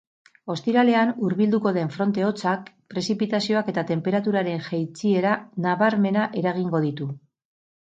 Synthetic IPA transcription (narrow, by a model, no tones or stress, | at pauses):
o̞st̪iɾale̞anuɾβild̪uko̞ðe̞ɱfɾo̞nt̪e̞o̞t͡sak̚pɾe̞sipit̪asio̞ake̞t̪at̪e̞mpe̞ɾat̪uɾaɾe̞nʝajt͡sie̞ɾanaβaɾme̞naʔe̞ɾaɣ̞iŋɡo̞ðit̪u